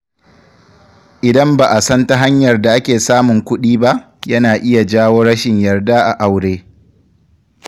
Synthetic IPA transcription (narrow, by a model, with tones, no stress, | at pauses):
ʔɪ˨dɐ˦mbaː˨ʔa˨sɐ˦nta˦ɦa˦ɲjɐ˨rda˨ʔa˦kʲeː˨saː˦mʊ˨ŋkʷʊ˦ɗiː˦ba˦ʔ | jɐ˦naː˨ʔɪ˦ja˨d͡ʒaː˦woː˦ɽɐ˦ʃɪ˨ɲjɐ˨rda˦ʔa˨ʔa˨wɽeː˦